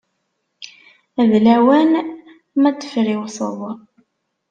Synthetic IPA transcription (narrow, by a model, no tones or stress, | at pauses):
æðlæwæn | mæt͡sːə̥fɾiwsə̰ðˤ